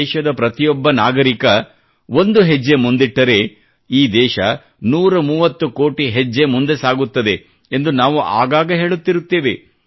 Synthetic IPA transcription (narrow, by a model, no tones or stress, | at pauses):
ʃɐd̪ɐpɾɐt̪ijɔbːɐnaːɡɐɾikɐ | ʋo̞nd̪uɦed͡ʒːe̞mund̪iʈːɐɾe̞ | iːd̪ɛːʃɐ | nuːɾɐmuːʋɐt̪ːuko̞ːʈiɦed͡ʒːe̞mund̪e̞saːɡut̪ːɐd̪e̞ | end̪unaːʋuʔa̰ːɡaːɡɐɦe̞ːɭut̪ːiɾut̪ːeːʋe̞